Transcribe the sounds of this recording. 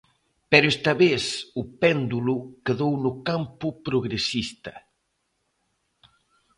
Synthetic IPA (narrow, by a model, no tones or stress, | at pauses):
pɛɾʊɛst̪ɐβesʊpɛnd̪ulʊkeðownʊkampʊpɾoɣɾesist̪ɐ̰